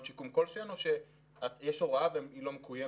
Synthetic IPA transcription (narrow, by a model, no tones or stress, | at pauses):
t͡ʃikumkolʃenoʃe | ajɛʃoʁaavemilo̞mekuje